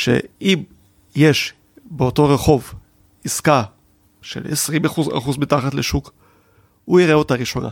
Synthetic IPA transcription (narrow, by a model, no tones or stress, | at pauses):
ʃḛim | je̞ʃ | beoto̞ʁeχo̞v | iska | ʃe̞̰lḛsʁimaχuza̰χuzbitaχatleʃuk | uiʁeo̞taʁiʃo̞na̰